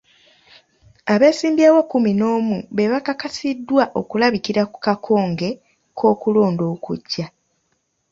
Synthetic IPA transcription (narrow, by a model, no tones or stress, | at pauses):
aβe̞ːsiːmbjawokumino̞ːmuβe̞βakakasidːwaʔo̞kulaβikiɾakukakʰo̞ːŋɡe̞ | kʰo̞ːkulo̞ːndo̞ːkṵɟːa